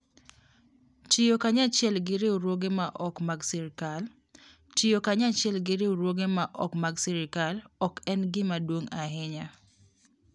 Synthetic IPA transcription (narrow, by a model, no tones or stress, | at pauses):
tɪjokaɲat͡ʃɪɛlɡɪɾɪoɾwoɡemaʔɔkmaɡsɛɾɪkal | tɪjokaɲat͡ʃɪɛlɡɪɾɪɾwoɡemaʔɔkmaɡsɛɾɪkalɔkɛnɡɪmadwoŋaɦɪɲa